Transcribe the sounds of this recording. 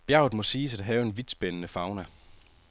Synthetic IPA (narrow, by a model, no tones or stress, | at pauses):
b̥jæʊð̩ˠmɒ̽siːsæd̥ɦɛːʊe̝nʋid̥sb̥enənəfɑ̈ʊnæ